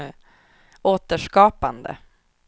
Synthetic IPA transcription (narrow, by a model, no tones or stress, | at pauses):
oːt̪əʂkɑːpa̰nd̪ə̰